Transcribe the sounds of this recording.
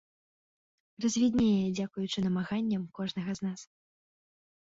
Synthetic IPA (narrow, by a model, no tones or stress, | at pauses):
rɐzʲvʲid̪ʲnʲɛjjɛd͡zʲakujut͡ʂɨnɐmaɣanʲːɐmkɔʐnɐɣɐznas